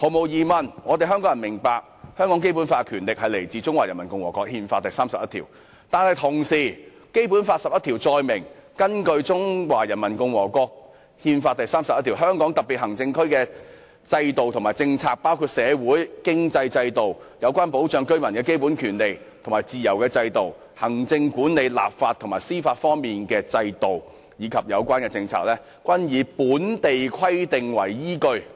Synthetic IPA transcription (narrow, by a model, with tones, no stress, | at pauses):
ho˨˧wmo˨˧wjiː˨mɐ˨˩nŋɔː˨˧t̪e˨jɦœː˥ŋkɔː˥jɐ˨˩mɪ˨˩ŋpaː˧k̚hœː˥ŋkɔː˨˥ŋk̬e˥jp̬u˨˥nfaː˧kʰyː˨˩nlɪ˨k̚hɐ˨jle˨˩jt͡siː˨˧t͡sʊ˥ŋwaː˨˩jɐ˨˩mɐ˨˩nkʊ˧ŋwɔ̰ː˨˩kɔː˧k̚hiː˧nfaː˧t̚t̪ɐ˨jsaː˥msɐ˨p̚jɐ˥t̪ʰḭ˨˩w | t̪aː˨nhɐ˨jt̪ʰʊ˨˩ŋsiː˨˩ | ke˥jpuː˨˥nfaː˧t̚sɐ˨p̚jɐ˥t̪ʰiː˨˩wt͡sɔː˧jmɪ˨˩ŋkɐ˥nkɵ˧ɥt͡sʊ˥ŋwaː˨˩jɐ˨˩nmɐ˨˩nkʊ˧ŋwɔː˨˩kɔː˧k̚ | hiː˧nfaː˧t̚t̪ɐ˨jsaː˥msɐ˨p̚ːt̪ʰiː˨˩wɦœː˥ŋkɔː˨˥ŋt̪ɐ˨˩piː˨t̚hɐ˨˩ŋt͡sɪ˧ŋkʰɵ˥ɥkɛː˧ | t͡sɐ˧jt̪o˨wt̪ʰŋmaː˨˩jt͡sɪ˧ŋt͡sʰaː˧k̚paː˥wkʰuː˧t̚sɛː˨˧wuː˨˥jkɪ˥ŋt͡sɐ˧jt͡sɐ˧jt̪o˨wjɐ˨˧wkʷaː˥npo˨˥wt͡ʃœː˨˧ŋkɵ˥ɥmɐ˨˩nkɛː˧ke˥jpu˨˥nkʰyː˨˩nle˨j | t̪ʰo˨˩ŋmaː˨˩jt͡siː˨jɐ˨˩wkɛː˧t͡sɐ˧jt̪o˨w | hɐ˨˩ŋt͡sɪ˧ŋkuː˨˥nle˨˧jla̰ː˨p̚faː˧t̪ʰʊ˨˩ŋmaː˨˩jsiː˥faː˧t̚fɔː˥ŋmiː˨˩nkɛː˧t͡sɐ˧jt̪o˨w | jiː˨˧kʰɐ˨p̚jɐ˨˧wkʷaː˥nkɛː˧t͡sɪ˧ŋt͡sʰa̰ː˧k̚lɛː˥ | kwɐ˥njiː˨˥puː˨˥nt̪e˨jkʰɐ˥jt̪ɪ˨ŋwɐ̰˨˩jjiː˥kɵ˧ɥ